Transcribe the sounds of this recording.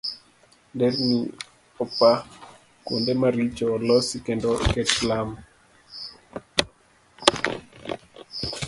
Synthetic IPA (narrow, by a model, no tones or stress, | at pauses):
dɛrni | ɔpa | kwo̰ndemaɾit͡ʃɔlɔsikendokɛtlam